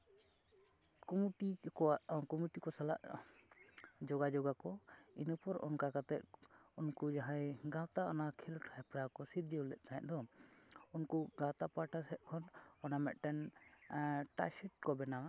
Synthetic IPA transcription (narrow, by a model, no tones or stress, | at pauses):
kɔmuʈiakɔmiʈikɔsala̰ʔ | d͡ʒɔɡad͡ʒɔɡakɔinəpɔɾɔ̰nkakat̪ɛt̪̚unkud͡ʒaɦãjɡãwt̪aɔnakʰilʈʰhɛpɾakɔsit̪̚d͡ʒɛulɛʔ̚ˀt̪anɛʔ̚d̪ɔ | unkuɡãwt̪apaʈasɛt̪̚ˀkʰɔnɔnamɛ̰ʔ̪̚ʈɛn | ʈa̰sɛʈ̚kɔbɛnawa